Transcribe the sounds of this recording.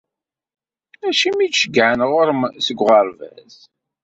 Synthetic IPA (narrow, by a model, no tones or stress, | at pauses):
æʃimidʃəɡʕanʁʊɾəmsəɡʷʁəɾvæ̰z